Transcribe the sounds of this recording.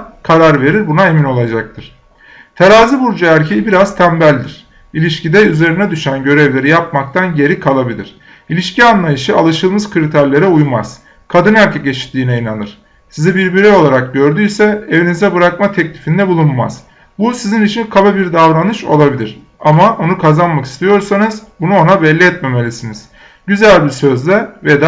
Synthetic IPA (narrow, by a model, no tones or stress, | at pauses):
kʰaɾaɾve̞ɾiɾbunae̞mino̞lˠad͡ʒak̚t̪ʰɯɾ̥ | t̪ʰaɾaːzɯbuɾd͡ʒaæɾcʰejibiɾazt̪ʰæmbælʲd̪iɾ̥ | ilʲiʃcid̪ɛyze̞ɾinɛd̪yʃænɟø̞ɾɛvlʲe̞ɾijap̚mak̚t̪ʰanɟe̞ɾikʰalˠabilʲḭɾ̥ | ilʲiʃcianlˠajɯʃɯalˠɯʃɯlˠmɯz̥kʰɾit̪ʰæɾlʲe̞ɾɛujmaz̥ | kʰad̪ɯnæɾcʰɛce̞t͡ʃʰi̥t̪ʰːiːnɛinanɯɾ̥ | sizɛbiɾbiɾio̞lˠaɾak̚ɟø̞ɾd̪yjsɛevinizɛbɯɾakmat̪ʰɛclʲifind̪ɛbulˠunmaz̥ | busizinit͡ʃʰinkʰababiɾd̪avɾanɯʃo̞̰lˠabilʲiɾ̥ | amao̞nukʰazanmaki̥st̪ʰijo̞ɾsanɯzbunuo̞nabɛlʲːiɛt̪me̞me̞lʲisiniz̥ | ɟyzælʲbisøzlʲɛvɛd̪a